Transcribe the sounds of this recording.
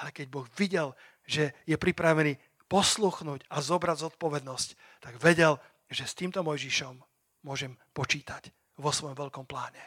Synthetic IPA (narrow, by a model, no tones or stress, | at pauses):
alɛkɛɟbɔɣʋiɟɛl | ʒɛjɛpɾipɾaʋɛniː | pɔsluxnuːɟazɔbɾaɟzɔt̪̚pɔʋɛd̪nɔsc | t̪aɡʋɛɟɛl | ʒɛst̪iːmt̪ɔmɔjʒiʃɔmː | ʊɔʒɛmpɔt͡ʃiːt̪ac | ʋɔsʋɔjɔmʋɛʎkɔmplaːɲɛ